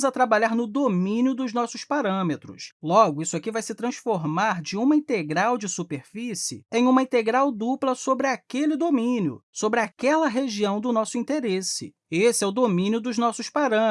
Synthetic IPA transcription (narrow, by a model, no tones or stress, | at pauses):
zɐt̪ɾabaʎaɾnʊd̪omĩnjʊd̪ʊznɔsʊspaɾɐ̃met̪ɾʊ̰slɔɡʊisʊakivajsɪt̪ɾɐ̃sfoɾmaɾd͡ʒɪũmɐĩt̪eɡɾawd͡ʒɪsupeɾfisɪ̰ẽj̃ũmɐĩt̪eɡɾawd̪uplɐsobɾɪakelɪd̪omĩnjʊ̰sobɾɪakɛlɐɦeʒiɐ̃w̃d̪ʊnɔsʊĩnt̪eɾesɪ̰ | esɪɛʊd̪omĩnjʊd̪ʊznɔsʊspaɾɐ̃